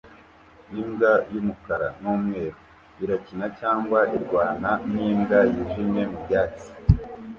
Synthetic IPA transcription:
imɡajumukaɾanuːmŋe̞ːɾo | iɾacinacaːŋɡwaʔiɾɡwaːnaniːmɡajiʒimɲe̞mubjaːt͡si̥

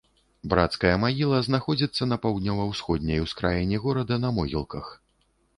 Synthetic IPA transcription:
bɾat̪skɐjɐmaɣʲilˠɐznaxɔd͡zʲit̪sːɐnɐpawd̪nʲɔvɐwsxɔd̪̚ʲnʲɐjwskɾajinʲɛɣɔɾɐd̪ɐnɐmɔɣʲilˠkɐx

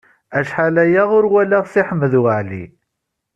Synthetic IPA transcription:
æʃħalæjæʁʊɾwælæʁθɪħəmːəðwəʕlḭ

